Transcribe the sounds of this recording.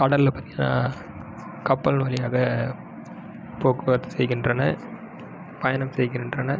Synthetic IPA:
kɐɽɐllɐpːɐːt̪ːɪŋɡɐna̰ː | kɐpːɐlnʋɐlɪjaːɣɐ | poːkɯʋɐt̪ːɯsɛjɣɪndrɐnɐ | pɐjɐnɐmsɛjɣɪndrɐnɐ

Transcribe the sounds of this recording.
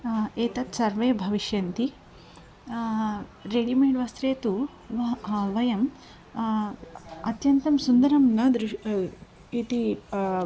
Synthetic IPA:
eːt̪ɐt̪sɐɾʋeːbʱɐʋiʃjɐnt̪i | ɾeɽimeːɖʋɐst̪ɾeːt̪u | ʋɐʋɐjɐm | ɐt̪jɐnt̪ɐmsund̪ɐɾɐmnɐd̪ɾi | it̪i

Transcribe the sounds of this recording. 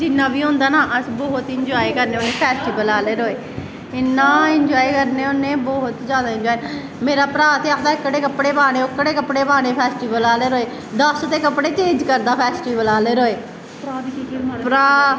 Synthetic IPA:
d͡ʒɪnːãːbiːɦʊ̃ːnd̪aːnaːʔəsbɔːɦʊt̪ɪɲd͡ʒɔːikəɾnẽːonẽːpʰɛːsʈiːʋəlaːleːɾoːeː | ɪnːãːɪɲd͡ʒɔːiːkəɾnẽːʊnːẽːbɔːɦʊt̪zjaːd̪aːɪ̃ɲd͡ʒɔːi | meːɾaːpɾaːt̪eːaːkʰd̪aːɪkːəɽeːkəpɽeːpaːɽ̃ẽːʊkːəɽeːkəpɽeːpaːɽ̃eːpʰɛːsʈiːbəlaːleːɾoːeː | d̪əsʊt̪eːkəpɽeːt͡ʃẽːd͡ʒkəɾd̪aːpʰɛːsʈiːʋəlaːleːɾoːeː | pɾaː

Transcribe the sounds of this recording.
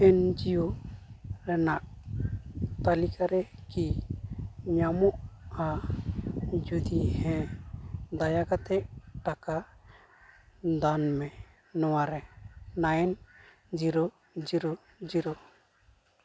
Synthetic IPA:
ɛnd͡ʒijo | ɾɛnaʔ | t̪alikaɾɛki | ɲamɔʔa | d͡ʒud̪ihɛ̃ | d̪ajaɡat̪ɛʔʈaka | d̪anmɛ | nɔwaɾɛnajɛn | d͡ʒiɾɔ | d͡ʒiɾɔ | d͡ʒiɾɔ

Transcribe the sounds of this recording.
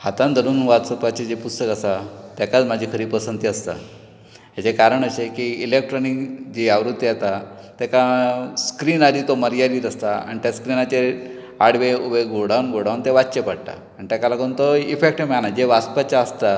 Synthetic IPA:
hat̪ãnd̪ʱəɾuːnʋat̪səpat͡ɕed͡ʑepust̪əkasat̪ɛkat͡smad͡ʑʱikʰəɾiːpəsənt̪iast̪a̰ | ɦat͡sekaɾəɳəsekiilek̚ʈɾɔnikd͡ʑiaʋɾut̪ːiat̪at̪ɛkaskɾiːnaɾiːt̪oməɾjaɾiːɾəst̪aa̰ɳ̃it̪jaskɾinat͡ɕe | aɽʋeubeɡoɽanɡoɽawnt̪eʋatɕepaɽʈ̪a̰ːɳit̪akalakəunt̪oifek̚ʈemanad͡ʑeʋast̪pat͡ɕjaəst̪a

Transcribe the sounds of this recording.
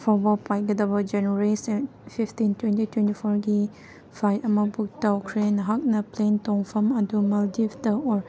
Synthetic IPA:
fɔbəpaj̚ɡədabəd͡ʒɛnəɹisɛn | fiftĩntwɛ̃ntitwɛ̃ntifɔɹɡi | fajamabuk̚takʰɹenɦak̚nəplẽntɔ̃ŋfəmadumaldiftəɔɹ

